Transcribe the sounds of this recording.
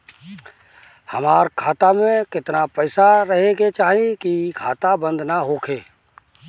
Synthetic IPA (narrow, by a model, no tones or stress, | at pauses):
həmaːɾkʰaːt̪amẽkɪt̪napɛːsaɾəɦeɡet͡ʃaːɦiekikʰa̰ːt̪abə̃nd̪ʱnaɦoːkʰeː